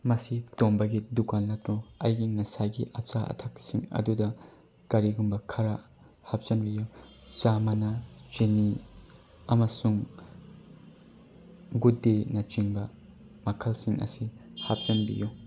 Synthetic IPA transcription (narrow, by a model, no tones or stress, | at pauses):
mɐsitombɐɡidukanlɐtɾuɐ̰jɡiŋɐsajɡiʔɐt͡ʃaʔɐ̰tʰak̚siŋɐ̰dudɐ | kɐɾiɡumbɐkʰɐɾa | hap̚t͡ʃɐnbiju | t͡ʃamɐnɐt͡ʃeni | ɐmɐsuŋ | ɡudenɐt͡ʃiŋbɐ | mɐkʰɐlsiŋʔɐ̰sihap̚t͡ʃɐnbḭju